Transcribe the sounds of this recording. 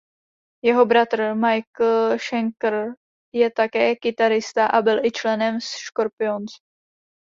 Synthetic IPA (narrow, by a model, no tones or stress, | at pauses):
jɛɦo̞bɾat̪r̩majkl̩ʃɛŋkr̩ | jɛt̪akɛːkɪt̪aɾɪst̪aʔabɪlʔɪt͡ʃlɛnɛmsʃko̞ɾpɪons